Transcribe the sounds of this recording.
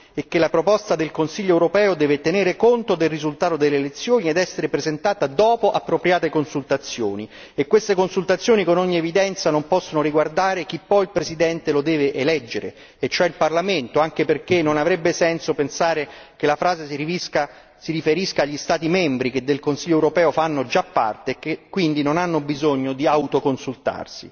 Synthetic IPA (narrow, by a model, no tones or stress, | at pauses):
ek̟ːelːapɾopɔst̪ad̪elkonsiʎːoɛwɾopɛːod̪ɛːvet̪eneːɾekont̪od̪elrizult̪aːt̪od̪elːeːlet̪sːjoːnied̪ɛsːeɾepɾezent̪aːt̪ad̪ɔːpoʔa̰pːɾopɾjaːt̪ekonsult̪at̪sːjo̰ːni | ekːwest̪ekonsult̪at̪sːjoːnikonɔɲːievid̪ɛnt̪sanompɔsːonoɾiɡward̪aːɾek̟ipːɔjilpɾesid̪ɛnt̪elod̪ɛːveʔelɛd͡ʒːeɾḛ | et͡ʃːoɛilparlament̪oaŋk̟eperkenːonavɾɛbːesɛnsopensaːɾekelafɾaːzesiiska | siɾifeɾiskaːʎːist̪aːt̪imɛmbɾiked̪ːelkonsilʎːoɛwɾopɛːofanːod͡ʒapːa̰rt̪eːkːekkːwind̪inonanːobizoɲːod̪iawt̪okonsult̪a̰rsḭ